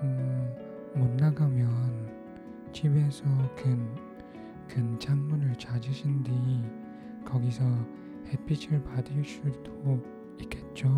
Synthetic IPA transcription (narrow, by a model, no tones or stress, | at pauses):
ɯ | monːaɡamjʌn | t͡ɕʰibe̞sʰʌkɯn | kɯnt͡ɕʰammunɯɭt͡ɕad͡ʑɯɕʰindi | kʌɡisʰʌ | hepʰit͡ɕʰɯɭpadɯɭs͈udo | ik͈ːe̞t̚t͡ɕ͈o